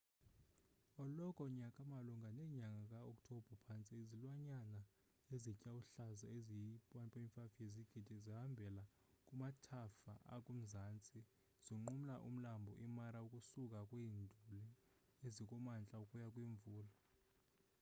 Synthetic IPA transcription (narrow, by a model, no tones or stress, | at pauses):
ɔlɔkʼɔɲakʼamaluŋɡʱanɛɲaŋɡʱakʼaɔkʼtʰɔb̥ʱɔpʰant͡sʼiezilwaɲana | ezicʼawuɬazaezijipʼwanpʼaiɱfafieziɡ̥ʱid̥ʱiziɦambʱɛla | kʼumatʰafaʔa̰kʼum̩zaːnt͡sʼi | z̥iŋ͡ǃum̩laʔṵm̩lambʱɔʔimaɾaukʼusukʼakʼwiːndʱulɛ | ezikʼumant͡ɬʼaukʼujakʼwiɱvuːla